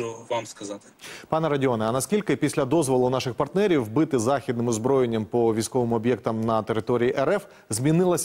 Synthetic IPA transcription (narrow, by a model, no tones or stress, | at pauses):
ʊʋamskɐzɑt̪ɪ̥pɑnɛɾɐdʲɔnɛɐnɐskʲilʲkɪpʲisʲlʲɐd̪ɔzʋɔlˠʊnɑʃɪxpɐrt̪nɛɾʲiwbɪt̪ɪzɑxʲid̪nɪmɔzbɾɔjenʲːɐmpɔʋʲijsʲkɔʋɪmʊɔbʲjɛkt̪ɐmnɐt̪eɾɪt̪ɔɾʲijiʔɛɾɛf | zʲmʲinɪlˠɐsʲ